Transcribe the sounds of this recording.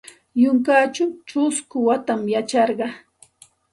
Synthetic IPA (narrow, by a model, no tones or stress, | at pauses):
jʊŋkaːt͡ʃʊt͡ʃʊskʊwat̪amjat͡ʃɑɾɢɑ